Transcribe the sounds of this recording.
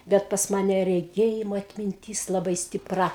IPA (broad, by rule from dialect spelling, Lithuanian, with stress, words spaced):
ˈbʲɛt pɐs ˈmɑːnʲɛ rʲɛˈɡʲeːjɪmoː ɐtʲmʲɪnʲˈtʲiːs lˠɐˈbɐɪ sʲtʲɪˈprɐ